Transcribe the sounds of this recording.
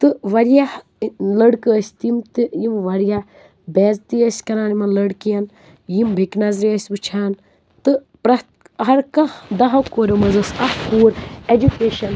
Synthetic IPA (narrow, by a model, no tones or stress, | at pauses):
t̪ɨʋɐɾja | lɐɽkɨːsʲt̪imt̪ɨjimʋɐɾja | bɛːzt̪ijəsʲkɐnaːnimɐnlɐɽkijɐn | jimbʱiknɐzɾiɐsʲbɨt͡ʃʰaːn | t̪ɨ | pɾɐt̪ | ɦɐɾkɐd̪ɐɦɐkoːɾɐmɐzɐsɐhkuːɾed͡ʒukeːʃɐn